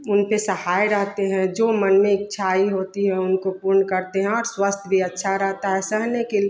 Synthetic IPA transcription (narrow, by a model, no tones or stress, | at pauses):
ʊnpesəhaːjɾəɦt̪eɦɛ̃d͡ʒoːmənmẽɪtːʃʰaiɦoːt̪iɦɛ̃ʊnkopuɾnkəɾt̪eɦɛ̃ɔːɾswəst̪ʰbʱiətːʃʰaɾəɦt̪aɦɛsəɦnekel